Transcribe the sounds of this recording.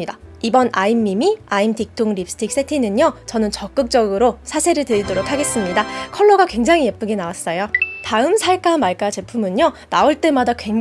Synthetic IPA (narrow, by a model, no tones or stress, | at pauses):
idaibʌnʔaimːimiaimtik̚t͈oŋɾip̚s͈ʰɯ̥tʰik̚s͈ʰetʰinɯɲjot͡ɕʌnɯnt͡ɕʌk͈ɯk̚t͡ɕ͈ʌɡɯɾosʰasʰe̞ɾɯɭtɯidoɾokʰːaɡe̞s͈ɯmɲidakʰʌɭːoɡakwe̞ŋd͡ʑaŋije̞p͈ɯɡenawas͈ʌjotaɯmsʰaɭk͈amaɭk͈at͡ɕe̞pʰumɯɲjonaoɭt͈e̞madakweŋ